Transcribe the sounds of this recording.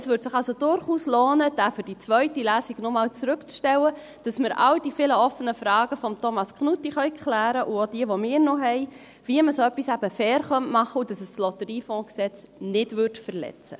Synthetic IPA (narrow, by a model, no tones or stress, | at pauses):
əsʋʏːɾtsɪχɑlsod̥ʊɾχuːslɔːnəd̥æːfəd̥it͡sʋœɥtilæːsiɡ̥nomɑːlt͡sɾʉkt͡sʃtɛwə | d̥ɑsməɾɑ̰wdifɪləɔfənəfɾɑːɡ̥əfɔmtʰɔmɑskχnutiχœʏkχlæːɾəʔuod̥iəʋomɪːɾnɔɦɛɪ | viəməsoœpːisæb̥əfɛːɾχœntmɑχəʊd̥ɑsəslɔtəɾiːfɔ̃ːksɛt͡snɪdvʏrtfəɾlɛ̰t͡sə̰